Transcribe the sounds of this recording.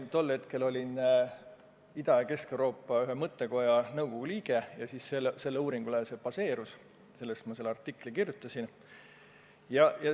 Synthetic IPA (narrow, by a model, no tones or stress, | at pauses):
t̪o̞lːhe̞t̪ke̞lo̞lʲin | id̪ɑjɑke̞skewɾo̞ːpːˑɑyɦemɤt̪ːe̞ko̞jɑnɤwɡoɡ̥uliːɡ̥e̞jɑsiːsːelse̞lːeuːɾiŋɡ̥ulese̞pɑse̞ːɾus | se̞lːest̪mɑse̞lːɑrt̪ːikːˑlikirjut̪ːˑɑsin | jɑjɑ